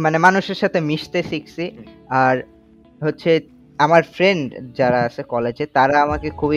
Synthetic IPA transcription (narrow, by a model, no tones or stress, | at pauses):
manemanuʃeɾʃat̪ʰemiʃt̪esiksiaɾ | ɦotːɕʰe | amaɾfɾeɳɖd͡ʑaɾaat͡ɕʰekɔled͡ʑet̪aɾaamakekʰubi